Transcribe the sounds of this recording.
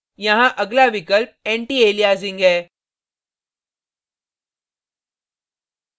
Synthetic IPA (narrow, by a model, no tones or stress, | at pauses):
jɐ̃ɦãʔəɡlaʋikəlp̚eɳʈiːeːlijaːziŋɡɛː